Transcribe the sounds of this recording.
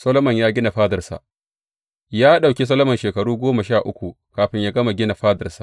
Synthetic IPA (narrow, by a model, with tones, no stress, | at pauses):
sɐ˦lo˦mɐ˨ɲjaː˦ɡʲɪ˦na˨ɸaː˦dɐ˨rsa̰˨ | jaː˦ɗa˨wkʲi˦s̬ɐ˦lɐ˦mɐ˨nʃeː˨kɐ˨ɽuː˦ɡʷoː˦ma˨ʃaː˦˨ʔʊ˦kʷu˨ | kaː˨ɸɪ˦ɲjaː˦ɡɐ˦ma˨ɡʲɪ˦na˨ɸaː˦dɐ˨rsa̰˨